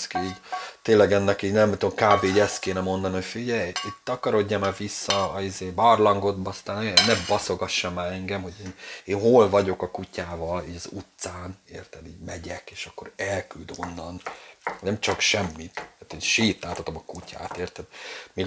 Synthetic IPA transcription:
skiiːɟt̪eːnlɛɡɛnːɛkiːɟnɛmt̪omkaːbeːiɟɛst̪keːnɛmo̞nd̪ɒnocfiɟɛjiːɟt̪ɒkɒɾo̞ɟːamaːvisːɒizeːbɒrlɒŋɡo̞d̪bɒst̪aːnɛnɛbɒso̞ɡɒʃːamaːɛŋɡɛmho̞ɟeːneːnɦoːlvɒɟo̞kɒkucaːvɒliːɟɒzut̪saːneːrt̪ɛd̪ḭːɟmɛɟɛkeːʃɒkːo̞ɾɛlkyld̪o̞nːɒnnɛmt͡ʃɒkʃɛmːit̪aːt̪eːnʃiːt̪aːt̪ɒt̪o̞mɒkuca̰ːt̪eːrt̪ɛd̪meːɡ

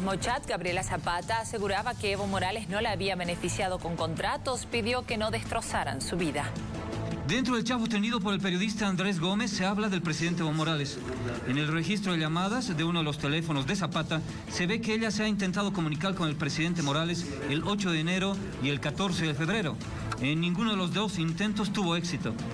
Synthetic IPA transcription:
mot͡ʃat̪ɡaβɾje̞lasapat̪aːse̞ɣuɾaβakeeβo̞mo̞ɾale̞zno̞laːβiaβe̞ne̞fisjað̞o̞ko̞ŋko̞nt̪ɾat̪ospiðjo̞ke̞no̞ðe̞st̪ɾo̞saɾa̰nsuβiða | d̪e̞nt̪ɾoðe̞lt͡ʃafot̪eniðop̬o̞ɾe̞lpe̞ɾjo̞ðis̬t̪aːnd̪ɾe̞z̬ɣo̞me̞sːeaβlaðe̞lpɾe̞siðe̞nt̪eeβomo̞ɾales | enelre̞xis̬t̪ɾo̞ðeʎamaðazðeunoðelo̞st̪e̞le̞fo̞no̞zðe̞sapat̪a | se̞βe̞keeʎaseaint̪e̞nt̪að̞oko̞mũnikaɾko̞ne̞lpɾesiðe̞nt̪emo̞ɾale̞s | elo̞t͡ʃo̞ðeːne̞ɾo̞ | ie̞lkat̪o̞ɾseðefe̞βɾe̞ɾo | enːĩŋɡunoðelo̞zðosint̪e̞nt̪o̞st̪uβo̞e̞ksit̪o̞

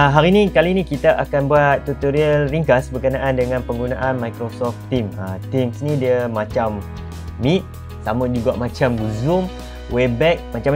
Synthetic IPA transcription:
ɦaɾinĩkalinĩkit̪aʔakanbuat̪̚ːut̪oɾiəlriŋkasbərkənãʔandəŋãnpəŋɡunaʔanmajkɾosɔft̪imə̰t̪imsnĩdiəmãt͡ʃamː | it̪̚ | samãd͡ʒuɡamãt͡ʃamɡuzum | webɛk̚mat͡ʃam

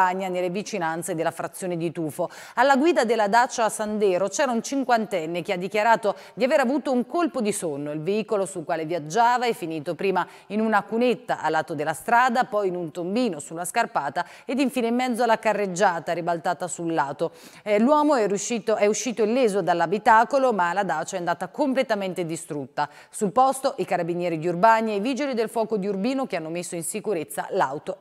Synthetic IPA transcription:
aɲːanelːevit͡ʃinant̪sed̪elːafɾat̪sːjoːned̪it̪uːfoalːaɡwiːd̪ad̪elːad̪at͡ʃːaːsand̪ɛːɾot͡ʃɛːɾaunt͡ʃiŋkwant̪ɛnːekead̪ːikjaɾaːt̪o | d̪iaveːɾavuːt̪ouŋkolpod̪isonːoilveiːkolosulkwaːlevjad͡ʒːaːvaɛfːiniːt̪opɾiːma | inunakunet̪ːaʔalːat̪ːod̪elːast̪ɾaːd̪apɔjinunt̪ombiːnosulːaskarpaːt̪a | ed̪iɱfiːneimːɛd̪zːoalakarːed͡ʒːaːt̪aɾibalt̪aːt̪asulːaːt̪o | lwɔːmoɛuʃit̪oɛuʃːiːt̪oilːɛːzod̪alːabit̪aːkolomalːad̪aːt͡ʃaɛand̪aːt̪akomplet̪ament̪ed̪ist̪ɾut̪ːa | sulpɔst̪oʔikaɾabinjɛːɾid̪iurbaːniejviːd͡ʒelid̪elfwɔːkod̪iurbiːnokeanːomesːoinsikuɾet̪sːa̰lawt̪o

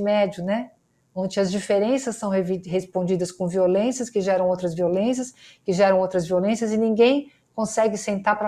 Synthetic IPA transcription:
mɛd͡ʒʊnɛ | õnd͡ʒɪɐzd͡ʒifeɾẽsɐsːɐ̃w̃ɦviɦespõd͡ʒid̪ɐskõviolẽsɐskɪʒɛɾɐ̃w̃owt̪ɾɐzviolẽs̬jɐskɪʒɛɾɐ̃w̃owt̪ɾɐzviolẽsiɐzɪnĩɡẽj̃ | kõsɛɡɪsẽnt̪aɾpɾɐ

